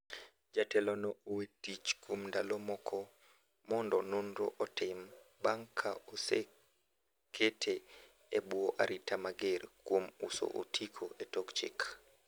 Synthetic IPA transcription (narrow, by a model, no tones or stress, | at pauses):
d͡ʒatɛlɔnɔowetit͡ʃkomndalɔmɔkʰɔ | mɔndɔnunɾoʔɔtɪmbaŋkʰaose | kʰetʰe | ebwɔʔaɾitʰamaɡerkwomṵso̰ʔotʰikʰoʔetokt͡ʃɪ̰k